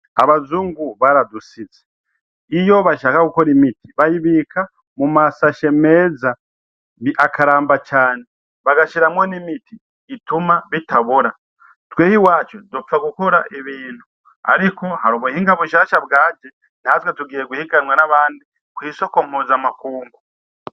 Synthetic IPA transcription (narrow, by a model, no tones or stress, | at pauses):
a̰βazuːŋɡuβaɾadusize | ijo̞βaʃaːkakukoɾimitiβajiβikʰa | mumasaʃe̞me̞ːza | iʔakaɾaːmbat͡ʃaːne | βaɡaʃiɾamwonimitiː | tumaβitaβoɾa | tweːhiwaːt͡ʃodup͡faɡukoɾaʔeβiːn̥hu | a̰ɾiko̞haɾuβuhiːŋɡaβuʃaːʃabɡaːd͡ʒe | naatwetuɡiːje̞ɡwuhikanwanaβaːndi | kwiːso̞komuzamakuːŋɡu